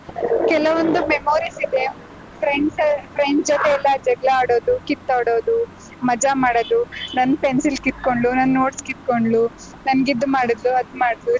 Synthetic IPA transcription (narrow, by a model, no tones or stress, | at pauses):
kɛlɐʋond̪umemoːɾisid̪e̞ | pʰɾeɳɖspʰɾeɳɖd͡ʒɔt̪eɛlːɐd͡ʒɐɡlɐaːɽo̞ːd̪ukit̪ːaːɽo̞ːd̪u | mɐd͡ʒamaːɽoːd̪unɐnːpensilkit̪̚koɳɖlunɐnːoːʈskit̪̚koɳɖlu | nɐnɡid̪ːumaːɽid̪luɐd̪umaːɽid̪lu